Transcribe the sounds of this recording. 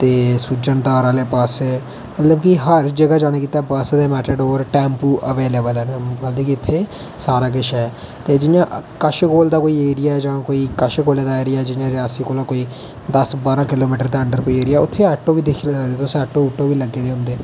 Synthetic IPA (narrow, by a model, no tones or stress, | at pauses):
t̪eːsud͡ʒənd̪aːɾaːleːpasɛː | mət̪ləbkiɦəɾd͡ʒəɡaːd͡ʒaːɽ̃aːkiːt̪aːpəsd̪eːmɛːʈəɖoːɾʈɛ̃ːmpuːʔəʋeːleːbəlɛːnməld̪iːkiɪt̪ʰːeː | saːɾaːk̬ɪʃɦɛː | t̪eːd͡ʒɪnjãːkəʃkoːld̪aːkoːiːeːɾɪjaːɛd͡ʒãːkoːiːkəʃɡoːleːd̪aːeːɾɪjaːɛːd͡ʒɪnjãːɾɪjaːsiːkoːlãːkoːiː | d̪əsbaːɾãːkɪloːmiːʈəɾt̪eːəɳɖəɾkoːiːeːɾɪjaːʊt̪ʰːeːəʈːõːʋiːd̪ɪkʰːlesəd̪eːt̪eʊsɛːʈːoːuːʈːoːʋiːləɡːeːd̪eːɦʊ̃nd̪eː